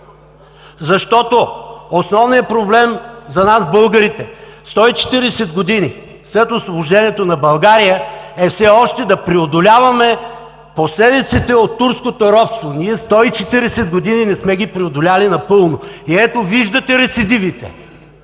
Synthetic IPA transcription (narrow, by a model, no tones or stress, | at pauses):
zɐʃt̪ɔt̪oosnɔvnijəpɾoblɛmzɐnazbɤlˠɡəɾit̪ɛst̪ɔit͡ʃɛ̥t̪iɾɛsɛd̪ɡod̪ini | sɛt̪osvoʒɛniɛt̪onɐbɐlˠɡaɾijəɛfsɛɔʃt̪ɛd̪ɐpɾiod̪olʲavɐmɛ | poslɛd̪it̪sit̪ɛot̪ːuɾskot̪oɾɔp̪st̪voniɛst̪ɔit͡ʃɛt̪iɾɛsɛd̪̚ɡod̪ininɛsmɛɡipɾiod̪olʲalinɐpɤlˠnoiɛt̪oviʒd̪ɐt̪ɛɾɛt̪sid̪ivit̪ɛ̰